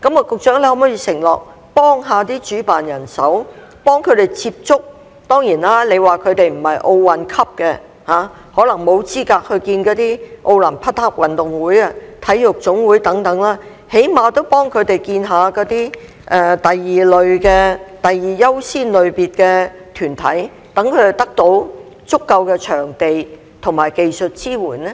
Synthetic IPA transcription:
kɐ˨˥mɔː˨˧˩kʊ˨k̚t͡ʃœː˨˥ŋle˧hɐ˨˧˥mɔː˥jiː˧sɪ˨˩ŋlɔ̰ː˨k̚ | pɔː˥ŋɦaː˨˧t̪iː˥t͡ʃyː˨˥paː˨˩njɐ˨˩nsɐ˨˥wpɔː˥ŋkʰɵ˨˧ɥt̪e˨jt͡siː˧p̚t͡ʃʊ˥k̚ | t̪ɔː˥ŋjiː˨˩nlaː˥le˨˧jwaː˨kʰɵ˨˧ɥt̪e˨jm̩˨˩hɐ˨jʔo˧wwɐ˨nkʰɐ˥p̚kɛ˧ | haː˨˧ | hɔː˨˥lɐ˨˩ŋmo˨˧wt͡siː˥kaː˧k̚hɵ˧ɥkiː˧nkɔː˨˧˥t̪iː˥ʔo˧wlɐ˨˩npʰɐ˥t̚ha˥p̚wɐ˨nt̪ʊ˨ŋwuː˨˥jɐ˧t̪ʰɐ˨˥jjʊ˨k̚t͡sʊ˨˥ŋwuː˨˥jt̪ɐ˨˥ŋt̪ɐ˨˥ŋlaː˥ | he˨˥jmaː˨˧t̪o˥wpɔː˥ŋkʰɵ˨˧t̪e˨jkiː˧nɦaː˨˧kɔː˨˥t̪iː˥ | ʔɛ˨˧t̪ɐ˨jːiː˨lɵ˨ɥkɛː˧t̪ɐ˨jːiː˨jɐ˥wsiː˥nlɵ˨ɥpiː˨t̚kɛ˧t̪ʰyː˨˩nt̪ʰɐ̰˨˥j | t̪ɐ˨˥ŋkʰɵ˨˧˨t̪ɐ˥k̚t̪o˨˥w | t͡sʊ˥kːɐ˧wkɛː˧t͡ʃʰœː˨˩ŋt̪e˨j | t̪ʰʊ˨˩ŋmaː˨˩jke˨jsɵ˨t̚t͡siː˥wuː˨˩nɛ˥

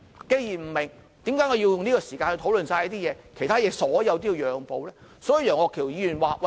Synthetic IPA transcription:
ke˧jjiː˨˩m̩˨˩mɪ˨˩ŋ | t̪iː˨˥mkaː˨˥ŋɔː˨˧jiː˧wjʊ˨ŋniː˥ɡɔː˧siː˨˩kaː˧nhɵ˧t̪ʰo˨˥wlɵ˨nsaː˧jɐː˦˥t̪̬iː˥jɛː˨˧kʰe˨˩jt̪ʰaː˥jɛː˨˧sɔː˨˥jɐ˨˧wt̪iː˥˧˨wjœː˨˧ŋpo˨˧wlɛː˥sɔː˨˥i˨˧jœː˨˩ŋɔː˧kʰi˨˩wjiː˨˧jyː˨˩nwaː˨˩wɐ˨˩

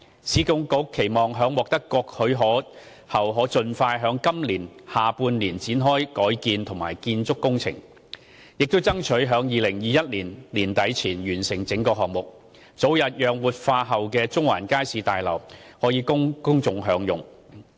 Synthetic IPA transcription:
sʰiː˨˥kʊ˧ŋkʊ˨˥kʰːe˨˩jmɔː˨˩ŋɦœː˨˥ŋwɔː˨k̚t̪ɐ˥kːɔː˧k̚hɵ˨˧ɥɦɔː˨˥ | hɐ˨˩wɦɔː˨˥t͡ʃɵ˧nfaː˧jɦœː˨˧˥ŋkɐ˥mliː˨˩nhaː˨puː˧nliː˨˩nt͡siː˨˥nɦɔː˥jkɔː˨˥jkiː˧nt̪ʰʊ˨˩ŋmaː˨˩jkiː˧nt͡sʊ˥kːʊ˥ŋt͡sʰɪ̰˨˩ŋ | jɪ˨k̚t̪o˥wt͡sɐ˥ŋt͡ʃʰɵ˨˥ɦœː˨˥ŋjiː˨˧lɪ˨˩ŋjiː˨˧jɐ˥t̚liː˨˩nliː˨˩nt̪ɐ˨˥jt͡sʰiː˨˩njyː˨˩nsɪ˨˩ŋt͡sɪ˨˥ŋkɔː˧hɔː˨k̚mʊ˨k̚ | t͡so˨˥wjɐ˨t̚jœː˨ŋwuː˨t̚faː˧ɦɐ˨wkɛː˧t͡sʊ˥ŋwa̰ː˨˩nkaː˥jsiː˨˧t̪aː˨jlɐ̰˨˩whɔː˨˥jiː˨˧kʊ˥ŋkʊ˥ŋt͡sʊ˧ŋɦœː˨˧ŋjʊ˨ŋ

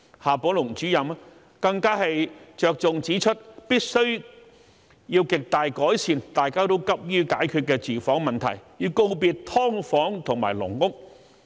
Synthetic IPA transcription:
haː˨pɔː˨˥lʊ˨˩ŋt͡ʃyː˨˥jɐ˨m | kɐ˧ŋkaː˥hɐ˨jt͡ʃœː˨˧k̚t͡sʊ˨ŋt͡siː˨˥t͡ʃʰɵ˥t̚piː˥t̚sɵ˥ɥ | jiː˧wkɪ˨k̚t̪aː˨jkɔː˨˥jsʰiː˨˩nt̪aː˨jkaː˥t̪o˥wkɐ˥p̚jyː˥kaː˨˥jkʰy˧t̚kːɛː˧t͡siː˨fɔː˨˥ŋmɐ˨nt̪ʰɐ̰˨˩jjiː˧wko˥˧wpiː˧t̚t̪ʰɔː˥ŋfɔː˨˥ŋt̪ʰʊ˨˩ŋma̰ː˨˩jlʊ̰˨˩ŋkʊ˥k̚

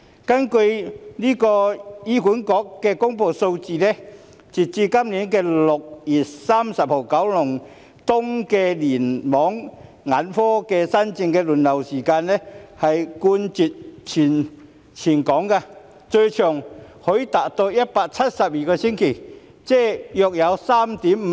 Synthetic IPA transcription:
kɐ˥nkɵ˧ɥniː˥kɔː˧jiː˥kuː˨˥nkɔː˨˥kːɛː˧kʊ˥ŋpo˧wso˧wt͡siː˧nɛ˥ | t͡si˨˩t̚t͡siː˧kɐ˥mniː˨˥nkɛː˧lʊ˨k̚jiː˨˩saː˥msɐ˨p̚ho˨˩wkɐ˨˥wlʊ˨˩ŋ | t̪ʊ˥ŋkɛː˧liː˨˩nmɔː˨˥ŋ | ŋaː˨˥nfɔː˥kɛː˧sɐ˥nt͡sɪ˧ŋkɛː˧lu˨˩nlɐ˨˩wsiː˨˩kaː˧nlɛ˥hɐ˨jkuː˧nt͡si˨t̚t͡sʰiː˨˩n | t͡sʰiː˨˩nkɔː˨˥ŋka˧ | t͡sɵ˧ɥt͡ʃʰœː˨˩ŋhɵ˨˥jt̪aː˨˩t̚t̪o˧wjɐ˦˥t̚paː˧k̚t͡sʰɐ˥t̚sɐ˨p̚jiː˨˩kɔː˧sɪ˥ŋkʰe˨˩ | t͡sɛː˥jɔː˨k̚jɐ˨˧wsaː˥mt̪iː˨˥m̩˨˦

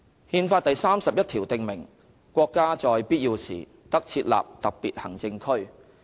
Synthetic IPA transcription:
hiː˧nfaː˧t̚t̪ɐ˨jsaː˥msɐ˨p̚jɐ˥t̪̚ʰiː˨˩wt̪ɪ˨ŋmɪ˨˩ŋ | kʷɔː˧kːaː˥t͡sɔː˨jpiː˥t̚jiː˧wsḭː˨˩ | t̪ɐ˥k̚t͡sʰiː˧t̚la̰ː˨p̚t̪ɐ˨k̚piː˨t̚hɐ˨˩ŋt͡sɪ˧ŋkʰɵ˥ɥ

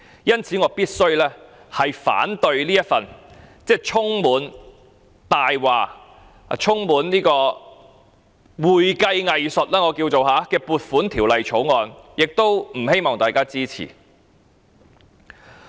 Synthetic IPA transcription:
jɐ˥nt͡sʰiː˨˥ŋɔː˨˧piː˥t̚sɵ˥ɥlɛː˥ | hɐ˨jfa̰ː˨˥nt̪ɵ˧ɥliː˥jɐ˥t̚fɐ˨nt͡sɛː˥t͡sʰʊ˥ŋmuː˨˥n | t̪aː˨jwaː˨˩˨ | t͡sʰʊ˥ŋmuː˨˥nliː˥kɔː˧ | wuː˨jkɐ˧jŋɐ˨jsɵ˨t̚laː˥ŋɔː˨˧kiː˧wt͡so˨wɦaː˨˥kɛː˧puː˨t̚fuː˨˥nt̪ʰiː˨˩wlɐ˨jt͡sʰo˨˥wŋɔː˨˧njɪ˨k̚t̪o˥wm̩˨˩he˥jmɔː˨ŋt̪aː˨jkaː˥t͡siː˥t͡sʰḭ˨˩

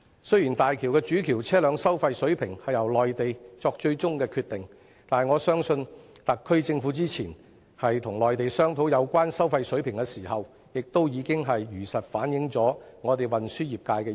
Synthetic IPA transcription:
sɵ˥ɥjiː˨˩nt̪aː˨jkʰiː˨˩wkɛː˧t͡ʃyː˨˥kʰiː˨˩wt͡sʰɛː˥lœː˨˧ŋsɐ˥wfɐ˧jsɵ˨˥ɥpʰɪ˨˩ŋhɐ˨jɐ˨˩wlɔː˨jt̪e˨jt͡sɔː˧k̚t͡ʃɵ˧ɥt͡sʊ˥ŋkɛː˧kʰyː˧t̪ɪ˨ŋ | t̪aː˨jŋɔː˨˧sœː˥ŋsɵ˧nt̪ɐ˨kʰːɵ˥ɥt͡sɪ˧ŋfu˨˧˥t͡siː˥t͡sʰiː˨˩n | hɐ˨jt̪ʰʊ˨˩ŋlɔː˨jt̪e˨jsœː˥ŋt̪ʰo˨˥wjɐ˨˧wkʷaː˥nsɐ˥wfɐ˧jsɵ˨˥ɥpʰɪ˨˩ŋkɛ˧siː˨˩hɐ˨˩w | jɪ˨k̚t̪o˥wjiː˨˧kɪ˥ŋɦɐ˨jjyː˨˩sɐ˨t̚faː˨˥njɪ˨˥ŋt͡sɔː˨˥ŋɔː˨˧t̪̬e˨jwɐ˨nsyː˥jiː˨p̚kaː˧jkɛː˧

